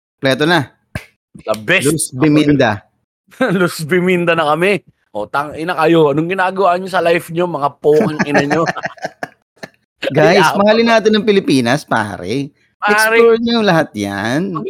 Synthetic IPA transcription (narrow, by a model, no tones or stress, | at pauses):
plɛːt̪onɐ | lɐbɛlʊsbɪmind̪ɐ | lʊsbɪmɪnd̪ɐnɐkɐmɛ | ʔot̪aŋʔɪnɐkɐjoɐnʊŋɡɪnaːɡɐwaːʔɲosɐlajfɲomɐŋapoːkɪŋɪnɐɲo | ɡajsmɐhaːlɪnaːt̪ɪnːɐŋpɪlɪpiːnɐspa̰ːɾɛ̰ | aɛkɾoɹɲɐjʊŋlɐhat̪̚ja̰n